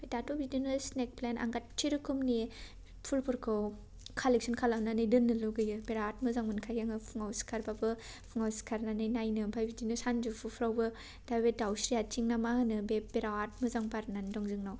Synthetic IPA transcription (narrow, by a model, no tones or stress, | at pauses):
pʰejtatobidinɯsnek̚plena̰ŋɡat̚t͡ʃʰiɾɯkʰumni | pʰulpʰuɾkʰɯw | kʰalek̚sɯnkʰalamnanɯjdɯnːɯluɡɯjɯpeɾaat̚mɯzaŋmɯnkʰajaŋɯpʰuŋawsi̥kʰaɾbabɯ | pʰuŋawsi̥kʰaɾnanɯjnajnɯbʰʱajbidinɯsand͡ʒupʰupʰɾawbɯ | d̥abedawsɾiat͡ʃiŋnamahɯnɯbepeɾaat̚mɯzaŋpaɾnandɔŋzɯŋnaw